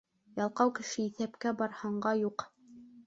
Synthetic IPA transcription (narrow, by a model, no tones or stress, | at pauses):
jɑlˠqɑwkɘ̆ʃɘiθæpkæbɑɾhɑɴɢɑjuq